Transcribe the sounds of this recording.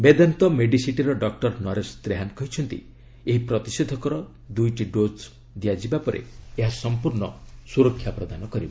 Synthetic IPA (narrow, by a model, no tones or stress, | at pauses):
bed̪ant̪ɔmeɖisiʈiɾɔɖɔk̚ʈɔɾnɔɾest̪ɾeɦankɔɦit͡ʃʰɔnt̪ḭ | eɦipɾɔt̪ised̪ʱɔkɔɾɔ | d̪ujʈiɖod͡ʒ | d̪ijad͡ʒibapɔɾʔḛeɦasɔmpuɾɳɔsuɾɔkʰːjapɾɔd̪anɔkɔɾibɔ